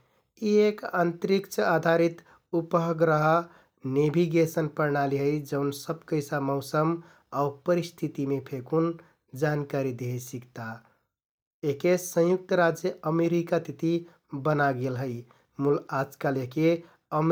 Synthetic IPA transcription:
iekant̪ɾikt͡ʃʰəad̪ʱaɾit̪ | upəɦɡɾəɦ | nebʱiɡesənpəɾnaliɦəɪd͡ʒəʊnsəbkəɪsaməʊsəm | aupəɾist̪ʰit̪imepʰekun | d͡ʒankaɾid̪eɦəsikt̪a | ekesə̃juk̚t̪əɾad͡ʒjəəmeɾikat̪it̪i | bənaɡelɦəɪ | mulad͡ʒkaleke | əm

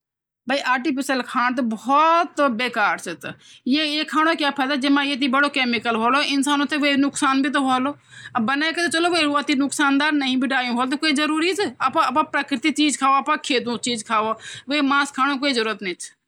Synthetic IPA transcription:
bʱaːiːʔaːɾʈiːpɪsəlkʰaːɳ̃t̪ebɔt̪beːkaːɾt͡ʃət̪jeeːkʰaːɽ̃oːkjaːpʰɛːd̪aːd͡ʒɪmãːjeːt̪iːbəɽoːkeːmɪkəlɦoːloːʔɪnsaːnõːt̪ʰeʋenʊksaːnbʱiːt̪̬oɦoːloː | bənaːeket̪et͡ʃəloːʋeɾuːat̪iːnʊksaːnd̪aːɾnəĩːbɪɖaːjõːɦoːlt̪̬ekoiːzəɾuːɾiːt͡ʃapãːəpãːpɾəkɾɪt̪iːt͡ʃiːd͡ʒkʰaːoːpãːkʰeːt̪ũːt͡ʃiːd͡ʒkʰaːʋoːʋeːmãːskʰaːɽ̃nõːk̬oːizəɾuːɾət̪nĩːt͡ʃʰ

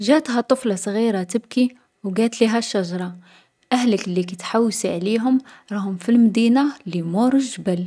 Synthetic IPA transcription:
ʒæt̪ɦæt̪ˤːəflɑsˤɣiɾat̪əbki | wɡæt̪liɦæʃːæʒɾˤɑ | ʔæhləklːikit̪ħawːsiʕliɦʊmɾˤɑhʊmfilmd̪inalimuɾˤʒbəl

